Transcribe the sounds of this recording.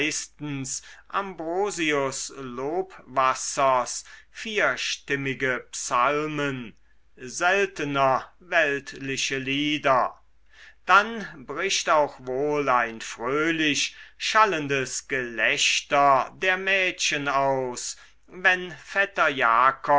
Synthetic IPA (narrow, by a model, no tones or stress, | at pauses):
ɪstn̩sʔambʁoːziʊsloːpvasɐsfiːɐʃtɪmɪɡəpsalmən | zɛltənɐ | vɛltlɪɕəliːdɐ | d̥anbʁɪʃtaʊxvoːlaɪnfʁ̥øːlɪʃʃaləndəsɡ̥əlɛɕtɐdeːɐmɛːɕənaʊs | vɛnfɛtɐjaːkɔ